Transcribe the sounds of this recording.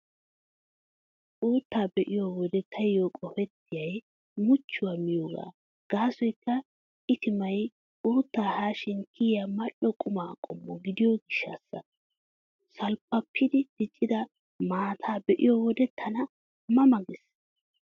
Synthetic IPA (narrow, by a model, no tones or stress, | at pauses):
ʔuːt̪ːaːbɛʔɪjowɔd̪ɛt̪ʰːɐjːoːkʼɔfɛt̪ːɪjɐj | mʊt͡ʃːʊwaːmɪjoːɡa̰ː | ɡ̥aːsɔjkːɐ | ɪt̪ɪmɐj | ʔuːt̪ːaːhaːʃɪŋkʰijamɐɗɔkʼʊmaːkʼɔmːɔɡɪd̪ɪjoɡɪʃːɐ̰sːɐ̰ | sɐlpːɐpʰːɪd̪ɪd̪̥ɪt͡ʃʼːɪd̪ɐ | maːt̪ʰaːbɛʔɪjɔwɔd̪ɛt̪ʰːɐnɐ | mɐmɐɡɪs